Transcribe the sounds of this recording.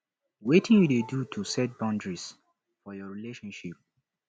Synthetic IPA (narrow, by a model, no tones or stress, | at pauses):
wetĩnjudedutʰusɛt̚bãʊ̃ndɹis | fɔjɔɹileʃɔ̃nʃip̚